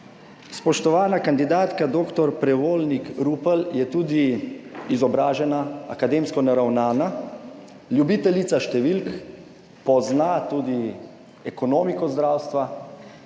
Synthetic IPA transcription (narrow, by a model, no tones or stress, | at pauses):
spɔʃt̪ɔʋaːnakand̪id̪aːt̪kad̪oːkt̪ɔɾpɾɛʋoːlnikɾuːpəljɛt̪uːd̪iizɔbɾaːʒɛnaa̰kad̪eːmskɔnaɾawnaːna | lʲjubit̪ɛlit̪saʃt̪ɛʋilk | pɔznat̪uːd̪i | ɛkɔnoːmikɔzd̪ɾaːwst̪ʋa